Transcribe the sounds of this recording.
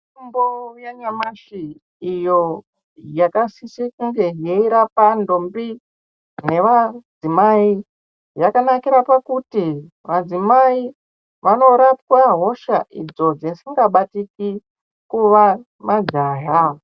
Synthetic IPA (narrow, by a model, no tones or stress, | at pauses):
umbojeɲamaʃiː | jo | jakasisikuŋɡe̞jeiɾapandombi | ne̞ʋad͡zimai | jakanakiɾapakuti | ʋad͡zimai | ʋano̞ɾapkwaɦo̞ʃaʔid͡zo̞d͡zesiŋɡaɓatiki | kuʋa | mad͡ʒaːɦa